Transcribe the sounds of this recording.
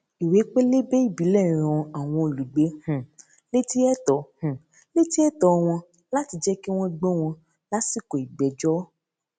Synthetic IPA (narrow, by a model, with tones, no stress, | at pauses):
i˨we˨˦k͡pe˦le˦be˦i˦˨bi˨˦lɛ˦˨ɾ̃ã˧a˨w̃ɔ̃˧i˨lu˨ɡ͡be˨˦hũ˨ | le˦ti˦ɛ˦tɔ˨˦hũ˨ | le˦ti˦ɛ˦tɔ˨˧w̃ɔ̃˧ | la˦ti˧d͡ʒɛ˦ki˦w̃ɔ̃˦ɡ͡bɔ˦w̃ɔ̃˧ | la˦si˦˨ko˨i˨ɡ͡bɛ˨˦d͡ʒɔ˦